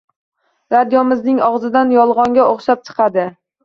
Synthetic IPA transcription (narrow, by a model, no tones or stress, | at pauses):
ɾad̪jɒmɪznɪŋɒʁzɪd̪anjɒlˠʁɒŋɡʲaʔoχʃap̚t͡ʃʰɨ̥qʰɑd̪ɪ